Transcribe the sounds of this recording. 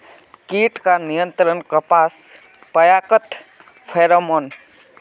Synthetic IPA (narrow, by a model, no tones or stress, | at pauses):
kiːʈkanijə̃nt̪ɾənkəpaːs | pəjaːkət̪ | pʰeːɾomon